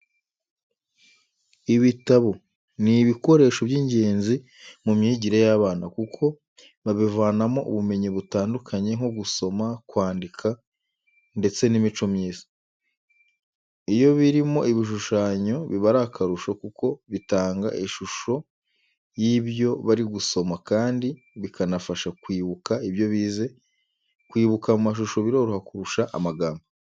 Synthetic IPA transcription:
iβitaβo̞ | niβiko̞ɾe̞ːʃo̞bjiɲɟe̞ːnzi | mumɲiːɟiɾejaːβaːnakukʰo̞ | βaβivaːnamo̞ʔṵβume̞ɲiβutaːndukʰaɲe̞ŋ̥oɡuso̞makwaːndikʰa | nde̞t͡se̞nimit͡ʃomɲiːzḁ | ijo̞βiɾimo̞ʔiβiʃ̬uʃaːɲo̞βiβaɾakʰaɾuʃokuko̞βitaːŋɡa̰ʔiʃuʃo̞ | jiːβjo̞βaɾiɡuso̞makaːndi | βikʰanafaʃakwiːβukaiβjo̞βiːze̞ | kwiːβukamumaʃ̬uʃo̞βiɾo̞ɾuhakuɾuʃaʔa̰maɡaːmbo

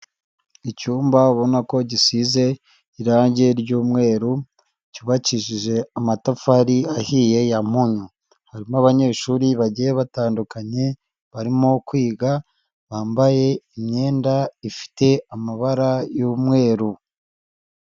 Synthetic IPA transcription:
icuːmbaβo̞nako̞ɟisize̞ | iɾaːɲɟe̞ɾɟuːmŋe̞ːɾu | cuβaciʒiʒe̞amatafaɾiahije̞jamuɲu | haɾimoaβaɲe̞ːʃuːɾiβaɟijeβataːndukaɲe̞ | βaɾimo̞kwiːɡa | βaːmbaje̞imɲe̞ːndaifi̥te̞amaβaɾajuːmŋe̞ːɾu

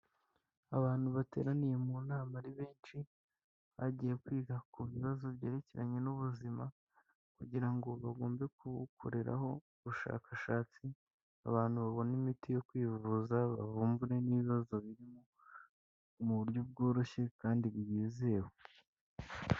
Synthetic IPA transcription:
aβaːn̥huβate̞̰ːɾanijemunaːmaɾiβeːnt͡ʃi | βaɟije̞kwiːɡakʰuβiβazo̞βje̞ːɾe̞ceɾaɲenuβuzima | kuɟiɾaŋɡo̞βaɡo̞ːmbe̞kukʰo̰ɾe̞ɾa̰ɦo̞uβuʃa̰ːkʰaʃaːt͡si | a̰βaːnhuβaβo̞nimitijo̞kwiːvuzaβa̰vuːmbuɾe̞niβiβazo̞βiɾimo | muβuɾjob̚ɡo̞ːɾo̞çe̞kaːndiβujiːze̞wo

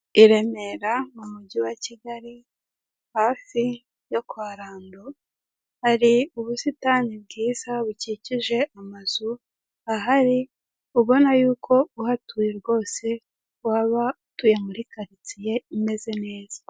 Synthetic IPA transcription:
iɾe̞me̞ɾamumuɟiwaciɡaɾi | haːfi | jo̞kwaːɾaːndo | haɾiuβusitanib̚ɡiːzaβuciciʒe̞ʔamaz̥u | aɦaɾi | uβo̞najuːkʰo̞uhatujiɾɡo̞ːse̞ | waːβautujamuɾikaɾit͡sije̞ime̞ze̞ne̞ːz̥ḁ

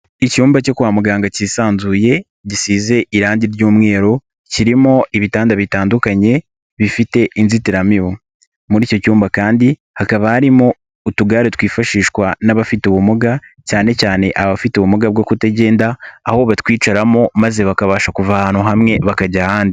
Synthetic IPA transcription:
icuːmbaco̞kuwaːmuɡaːŋɡaciːsaːnzuːje̞ | ɟisiːze̞ʔiɾaːndiɾɟuːmŋe̞ːɾo̞ | ciɾimo̞ʔiβitaːndaβitaːndukaɲe̞ | βifite̞ʔinzitiɾamiwo | muɾiːco̞cuːmbakaːndi | hakaβahaɾimo̞ | utuɡaːɾetwiːfaʃiːʃkwanaβafituβumuɡacaːne̞caːne̞ʔaβafituβumuɡab̚ɡokuteɟe̞ːndaːhoβatwiːt͡ʃaɾamo̞maze̞βakaβaːʃakuvahaːn̥huɦamŋe̞βakaɟahaːndi

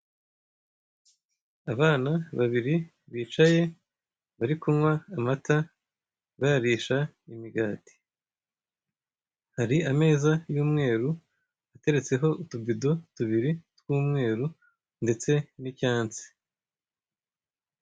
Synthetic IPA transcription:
aβaːnaβaβiɾi | βiːt͡ʃaje̞ | βaɾikumŋwaːmatʰa | βajaɾiːʃa | imiɡaːti̥ | haɾiame̞ːzajuːmŋe̞ːɾu | ate̞ɾe̞t͡se̞ɦo̞ʔutubido̞tuβiɾitwuːmŋe̞ːɾu | nde̞t͡se̞nicaːnt͡si̥

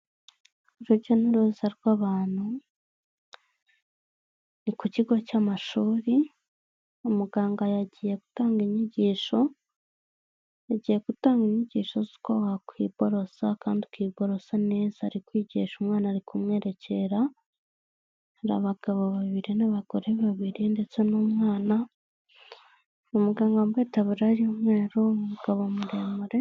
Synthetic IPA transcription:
iɾoɾɟoniɾoːzaɾikwaβaːn̥hu | nikuciɡocamaʃuːɾi | omuɡaːŋɡajaɟije̞ku̥taːŋɡeɲiɟiːʃo̞ | jaɟiːje̞kutaːŋɡeɲiɟiːʃo̞zi̥kowakwiːb̥o̞ɾo̞sakaːndikwiːbo̞ɾo̞sane̞ːzaɾikwiːɟḭːʃumŋaːnaːɾikumŋe̞ːɾe̞cʰe̞ɾa | ɾa̰βaɡ̥aβaβaβiɾinaβaɡ̥o̞ɾe̞βaβiɾinde̞t͡se̞nomŋaːna | omuɡaːŋɡambweːtaβuɾaɾiomŋe̞ːɾomuɡ̥aβomuɾeːmuɾe

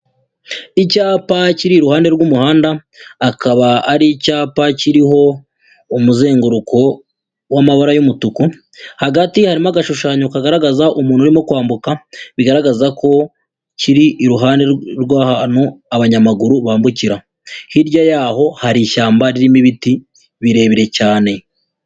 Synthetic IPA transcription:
icaːpaciɾiɾuhaːnde̞ɾɡumuhaːndaː | kaβaaɾicaːpaciɾiɦo̞ | umuze̞ːŋɡuɾuko̞ | wamaβaɾajumutuku | haɡatihaɾimaɡaʃuʃaːɲokaɡaɾaɡazaʔumuːn̥uɾimo̞kwaːmbukaβiɡaɾaɡazako̞ | ciɾiʔːɾuɦaːndeɾɡwaːhanoaβaɲamaɡuɾuβaːmbuciɾa | hiɾɟajaːho̞haɾiʃaːmbaɾiɾimiβiti | βiɾe̞ːβiɾe̞caːne̞

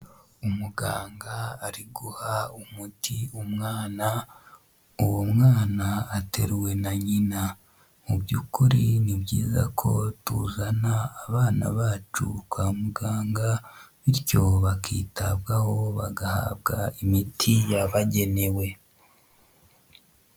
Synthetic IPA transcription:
umuɡa̰ːŋɡaːɾiɡuhaumutʰiumŋaːna | uwomŋaːnaːte̞ɾwe̞naɲina | mubjukuɾinibɟiːza̰kʰo̞̰tuzanaːβaːna̰βaːt͡ʃukwaːmuɡaːŋɡaβiɾjo̞βakḭːtabɡaho̞βaɡaha̰ːbɡaimitʰijaβaɟe̞ne̞we̞

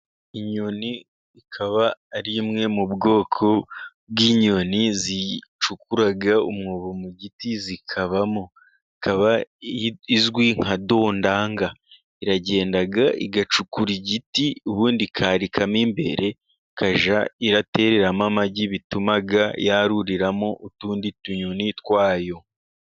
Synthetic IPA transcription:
iɲoni | ikʰaβaːɾimŋe̞mubɡo̞ːkʰo̞ | bɡiːɲo̞nizit͡ʃukuɾaɡaṵmŋoːβomuɟitizikʰaβamo | ikaβa | izɡwiŋ̥hado̞ːndaːŋɡa | iɾaɟe̞ːndaɡaḭɡat͡ʃukuɾiɟitiuβuːndikʰaːɾikʰamimbe̞̰ɾe̞ | kaʒaiɾate̞ːɾe̞ɾamamaɟiβitumaɡajaɾuɾiɾamoʔutuːndituɲunitwaːjo̞

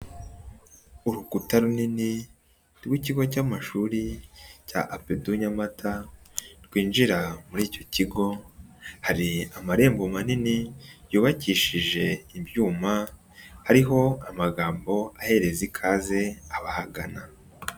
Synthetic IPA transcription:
uɾukutaɾunini | ɾɡwiːciɡo̞c̬aːmaʃuːɾica̰ʔapeduɲamatʰaɾɡwiːnʒiɾamuɾiːco̞ciɡo̞haɾiamaɾe̞ːmbomaninijuːβaciːʃiʒe̞ibjuːma | haɾiɦo̞amaɡaːmbo̞ahe̞ɾe̞zikʰaːze̞aβahaɡana

